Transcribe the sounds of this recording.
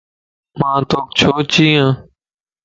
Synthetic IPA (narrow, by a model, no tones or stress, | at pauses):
mãːt̪oːk̚t͡ʃʰoːt͡ʃiːãː